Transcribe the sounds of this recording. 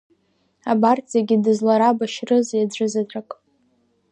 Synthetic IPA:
abartʰʼijaɡʲidɨzlaɾabaʃrɨzjad͡zʷʼɨzatʼakʼ

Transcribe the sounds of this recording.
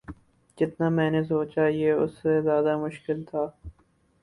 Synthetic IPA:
d͡ʒɪt̪naːmɛ̃ːnesoːt͡ʃaːɦieʊ̰sːezjaːd̪amʊʃkɪlt̪ʰaː

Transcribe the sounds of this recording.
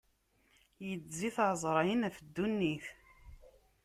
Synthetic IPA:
jəd͡zziθʕzˤɾˤɑjənæfd̪ːunːiθ

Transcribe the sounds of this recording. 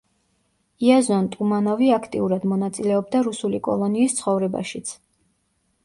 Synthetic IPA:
iazɔnt̪ʼumanɔviakʰt̪ʼḭuɾad̪mɔnat̪sʼilɛɔb̚d̪aɾusulikʼɔ̰lˠɔniːst̪sʰχɔvɾɛba̰ʃit̪sʰ

